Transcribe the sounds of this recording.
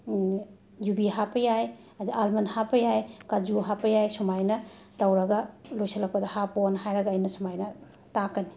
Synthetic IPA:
jubiɦapɐjaj | ɐdiʔalmɐnhapɐjajkad͡ʒuɦapɐjajsumajnɐ | tawɾɐɡɐlojsɐlɐk̚pɐdɐhaponɐɦajɾɐɡɐːjnɐsumajnɐ | takɐni̥

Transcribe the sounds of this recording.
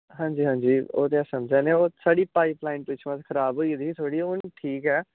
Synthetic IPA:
ɦãːɲd͡ʒiːɦãːɲd͡ʒiːo̰ːt̪eɛsəmd͡ʒɛːneːoːsaːɽiːpaːɪplaːɪɳʈʋɪt͡ʃʰmãt̪kʰəɾaːbɦoːiːd̪iːt̪ʰoːɽiːʊnʈʰiːkɛː

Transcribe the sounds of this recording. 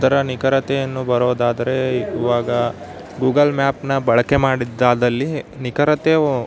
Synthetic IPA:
t̪ɐɾɐnikɐɾɐt̪ɛjɐnːubɐɾoːd̪aːd̪ɐɾe̞iːʋaːɡɐ | ɡuːɡɐlmaːpnɐbɐɭɐke̞maːɽid̪ːaːd̪ɐlːinikɐɾɐt̪e

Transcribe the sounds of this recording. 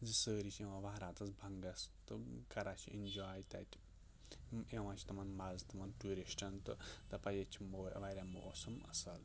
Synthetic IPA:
zɨsəːɾit͡ʃʰẽʋãʋaːɾaːt̪ɐsbʱɐŋɡɐst̪ɨkɐɾat͡ʃʰḭʔḭnd͡ʒaːjt̪ʲa̰t̪ʲ | eʋãːt͡ʃʰt̪ɐmɐnmɐzt̪ɐmɐnʈuːɾiʃʈʰɐnt̪ɨt̪ɐpajet͡ʃʰimoːɐ̰ʋaɾʲamo̰ːsɐmɐ̰sɐl

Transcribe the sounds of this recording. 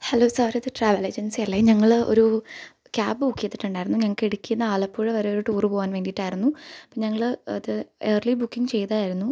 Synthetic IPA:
heloːsaːɾiɐðɨʈraːʋɐled͡ʑensiɐlːeɲɐŋːɐɭo̞̰ɾu | kʲaːbbuːkːijet̪ːi̥ʈːuɳɖaːjiɾunːuɲɐŋːɐɭkeɽikʲːunːɐaːɭɐpːoːɻeʋɐɾeoɾuʈuːrɨpoːʋaːnʋeːnɖiʈːaːjiɾunːupːoːɲɐŋːɐɭɐðɨeːrlibukːiŋt͡ɕe̞jt̪ɐaːjiɾunːu

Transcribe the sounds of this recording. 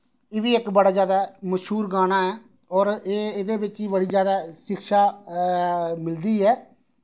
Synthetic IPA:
eːʋiːɪkbəɽaːd͡ʒjaːd̪aːməʃɦuːɾɡaːnaːɛː | ɔːɾeːed̪eːbɪt͡ʃiːbəɽiːzjaːd̪aːʃɪkʃaː | mɪld̪iːɦɛː

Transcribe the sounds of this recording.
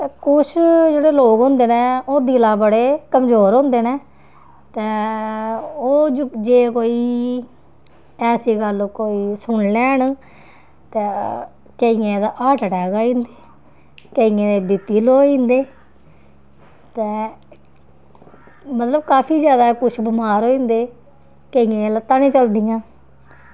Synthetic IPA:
t̪eːkʊʃʰd͡ʒeːɽeːloːkɦõnd̪eːnẽːoːd̪iːlãːbəɽeːkəmzoːɾɦõnd̪eːneː | t̪ɛː | oːd͡ʒd͡ʒeːkoːiː | ɛːsiːɡəlkoːiːsʊɳlɛːɳ | t̪ɛ̃ː | keijẽːd̪aʔaːʈəʈɛːɡaːĩːnd̪eː | keiːẽːd̪eːbɪpːiːloːĩːnd̪eː | t̪ɛ̃ː | mət̪ləbkaːpʰiːzjaːd̪aːkʊt͡ʃʰbəmaːɾoːĩːnd̪eː | keiẽːlət̪aːnĩːt͡ʃəld̪ɪjãː

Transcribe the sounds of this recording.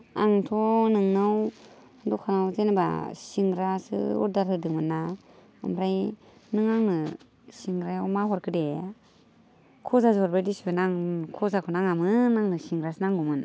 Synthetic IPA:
aŋtʰɔnɯŋnɯw | dɔkʰanawzenaba̰siŋɾasɯ̰ṵɾdaɾhɯdɯŋmɯna | ɯ̰mɾajnɯŋaŋnɯ | siŋɾajawmaɦɔɾkʰɯde | kʰɔzazɔɾbɾajdisibɯnaŋkʰɔzakʰɔnaŋamɯnaŋnɯsiŋɾasɯnaŋɡumɯn

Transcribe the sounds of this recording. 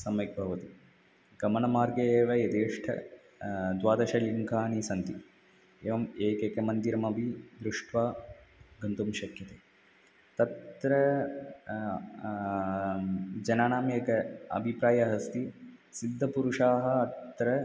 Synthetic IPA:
sɐmɐk̚bʱɐʋɐt̪i | ɡɐmɐɳɐmaːɾɡɐeːʋɐjɐd̪eːʂʈʰɐ̰ | d̪ʋaːd̪ɐʃɐliŋkaːnisɐnt̪i | eːʋɐmeːkeːkɐmɐnd̪iɾɐmɐbid̪ɾuʂʈʰʋaːɡɐnt̪umʃɐkjɐt̪eː | t̪ɐt̪ɾɐ | d͡ʒɐnaːɳaːmeːkɐɐ̰bʱipɾaːjɐɦɐst̪i | sid̪ʱːɐpuɾuʂaːɦɐ̆ɐt̪ːɾɐ

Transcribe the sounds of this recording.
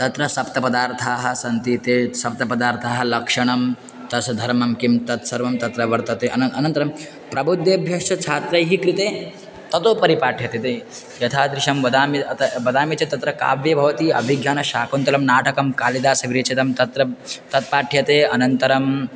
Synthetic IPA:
t̪ɐt̪ɾɐsɐp̚t̪ɐpɐd̪aːɾt̪ʰaːɦɐ̆sɐnt̪it̪eːsɐp̚t̪ɐpɐd̪aːɾt̪ʰaːɦɐ̆lɐkʂɐɳ̃ɐm | t̪ɐsɐd̪ʱɐɾmɐmkimt̪ɐt̪sɐɾʋɐmt̪ɐt̪ɾɐʋɐɾt̪ɐt̪eːɐnɐɐnɐnt̪ɐɾɐm | pɾɐbud̪jeɐbʱjɐkʂɐt͡ʃʰaːt̪ɾɐjɦikɾit̪eː | t̪ɐt̪oːpɐɾipaːʈʰjɐt̪et̪eː | jɐt̪ʰaːd̪ɾɪʃɐmʋɐd̪aːmit̪ɐʋɐd̪aːmit͡ʃet̪ɐt̪ɾɐka̰ːʋjɐbʱɐʋɐt̪iːɐ̰bʱiɡʱjaːnɐʃaːkunt̪ɐɾɐmnaːʈɐkɐmkaːlid̪aːsɐɡɾiːt͡ʃɐt̪ɐmt̪ɐt̪ɾɐt̪ɐt̪̚paːʈʰjɐt̪eːɐnɐnt̪ɐɾɐm

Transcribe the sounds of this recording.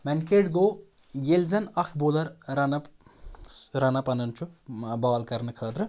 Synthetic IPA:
mɛnkeʈɡoːjelzɐnɐkʰboːlɐɾɾɐnɐ | ɾɐnɐpɐnɐnt͡ʃʰubɐʋɐlkɐɾnɨkʰəːt̪ɾɨ

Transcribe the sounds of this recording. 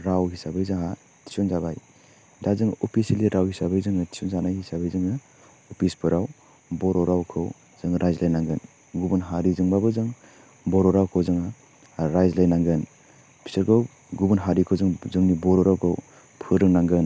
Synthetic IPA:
ɾawɦisabajzaɦa | ti̥sɔnzabaj | dazɯŋupʰisiliɾawhisabajzɯŋɐti̥sɔnzanajhisabajzɯŋɯ | upʰispʰɯɾaw | bɔɾɔɾawkʰɯw | z̥ɯŋɾʔajzlajnaŋɡɯn | ɡubɯnɦaɾizɯŋbabɯzɯŋ | bɔɾɔɾawkʰowzɯŋa | ɾajzlajnaŋɡɯn | pʰi̥səɾkʰaw | ɡubunɦaɾikʰɯwzɯŋzɯŋnibɔɾɔɾawkʰɯw | pʰɯɾɯŋnaŋɡɯn

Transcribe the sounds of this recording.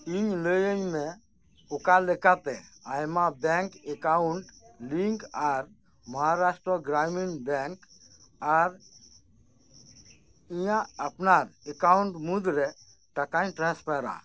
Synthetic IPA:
iɲləjəɲmɛ̃ | ʊkalekat̪ɛajmabɛŋkekauɳʈliŋkaɾ | məɦaɾasʈɾɔɡɾaminbɛŋk | aɾ | ijãəpnaɾekauɳʈmud̪ɾɛ | ʈəkajʈɾãspaɾa̰

